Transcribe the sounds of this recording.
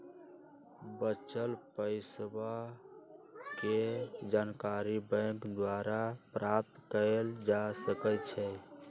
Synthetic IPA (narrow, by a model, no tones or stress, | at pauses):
bət͡ʃəlpəɪsba | ked͡ʒankaɾibə̃kd̪waɾapɾap̚t̪kəɾeld͡ʒasəkət͡ʃʰɛ